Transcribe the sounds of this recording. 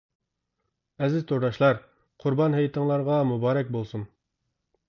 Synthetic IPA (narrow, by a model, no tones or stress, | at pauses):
ɛzɪzt̪ʰoɾd̪ɑʃlˠɑɾ | qʰʊɾbɑnɦæjt̪əŋlˠɑɾʁɑmubɑːɾɛk̚ʲbolˠsun